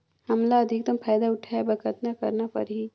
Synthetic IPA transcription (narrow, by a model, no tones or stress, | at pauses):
hɐmlaɐd̪ʱɪk̚d̪ɐmpʰaːjd̪aʊʈʰaebɐkət̪nakɐ̰ɾnapɐ̰ɾɦi